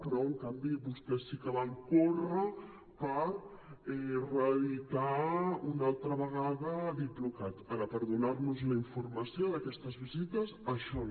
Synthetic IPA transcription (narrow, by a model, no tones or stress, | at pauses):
pəɾɔəŋkambiβust̪ɛsːikəβaŋkorə | pəɾ | ɛrəβit̪aunalˠt̪ɾəβəɣ̞aðəd̪it̪lukat̪əɾəpəɾðunaɾnuzləiɱfuɾməsjoðəkɛst̪əzβizit̪əzəʃɔ